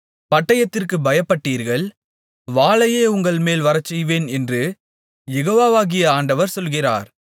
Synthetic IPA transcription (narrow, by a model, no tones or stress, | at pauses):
pɐʈːɐjɐt̪ːɪrkɯbɐjɐpːɐʈːiːɾɣɐɭ | ʋaːlɐjeːʊŋɡɐɭmeːlʋɐɾɐt͡ʃːɛjʋeːnɛndrɯ | jɛɣoːʋaːʋaːɣɪjɐaːɳɖɐʋɐɾsɔlɣɪra̰ːɾ